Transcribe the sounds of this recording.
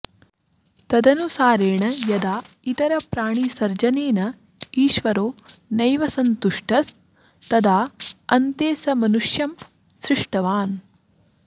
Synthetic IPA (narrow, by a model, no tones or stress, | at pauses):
t̪ɐd̪ɐnusaːɾeːɳɐjɐd̪aːit̪ɐɾɐpɾaːɳ̃isɐɾd͡ʒɐneːnɐ | iːʃʋɐɾoːnɐjʋɐsɐnt̪uʂʈɐs | t̪ɐd̪ʱaːɐnt̪eːsɐmɐnuʂjɐm | sɾiʂʈɐʋaːn